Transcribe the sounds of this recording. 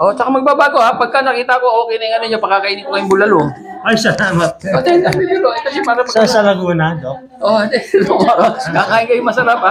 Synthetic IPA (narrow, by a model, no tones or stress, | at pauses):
ʔo̞t͡ʃɐkamɐɡ̚baːbaːɡo̞apɐɡ̚kanɐkiːt̪ɐko̞ʔoːkɛjnɐjŋɐnonɲɐpɐɡkːakɐʔiːnɪɡkokɐjʊmbʊlɐlo | ʔɐjsɐlaːmɐt̪̚pɐt̪ɛɐmɪbʊloɛt̪oʃapaɾɐpɐsasɐlɐɡuːnɐd̪ok̚ | ʔoɛd̪ɛlokakaːʔɪŋkɐjʊŋmɐsɐɾapa